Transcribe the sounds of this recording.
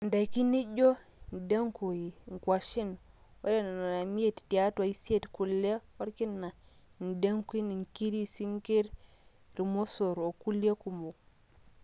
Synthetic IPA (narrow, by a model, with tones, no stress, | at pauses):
nda˨jki˦ni˦ɟo˦n˨de˦ŋku˨ji˨ŋ˨kwa˨ʃi˦nwo̰˦ɾe˦na˨na˨na˨mi˦e˦˨tti˨a˦twa˨i˦si˦e˦˨tku˨lːe˦wa˦ɾki˦nːa˨ | n˨de˦ŋku˦i˦ni˨ŋki˦ɾi˦si˦ŋke˦ɾ | ɾi˨mo˦so˨ɾo˨ku˦le˦ku˨mo˨